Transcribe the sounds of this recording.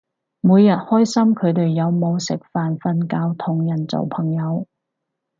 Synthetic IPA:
muː˨˧jːɐ˨t̚hɔː˥jsɐ˥mkʰɵ˨˧ɥt̪e˨jːɐ˨˧wmo˨˧wsɪ˨˩k̚faː˨nfɐ˧nkaː˧wt̪ʰʊ˨˩ŋjɐ˨˩nt͡so̰˨˩wpʰɐ˨˩ŋjɐ˨˧w

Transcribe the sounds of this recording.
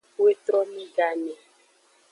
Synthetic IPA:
we˦t̪ɾɔ˦mĩ˦ɡa˦nɛ˨

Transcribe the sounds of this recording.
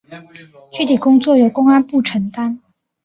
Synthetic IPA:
t͡ɕy˥˩t̪ʰi˨˩kʊ˥ŋt͡swɔ˥˩jo˨˩ʊkʊ˥ŋa˥npu˥˩ʈ͡ʂʰə˧˥ŋt̪a˥n

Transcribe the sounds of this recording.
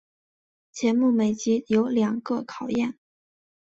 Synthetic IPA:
t͡ɕjɛ˧˥nmu˥˩me˨˩ɪt͡ɕi˧˥jo˧˥ʊljɑ˨˩ŋkɤ˥˧kʰɑ˨˩ʊjɛ˥˩n

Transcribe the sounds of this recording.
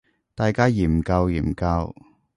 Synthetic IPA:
t̪aː˨˧jkaː˥jiː˨˩m̩˨kɐ˧wjḭː˨˩m˨kɐ˧w

